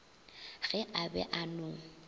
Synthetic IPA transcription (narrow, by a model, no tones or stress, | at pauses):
ɣɛʔabɛ̰ʔanʊŋ̩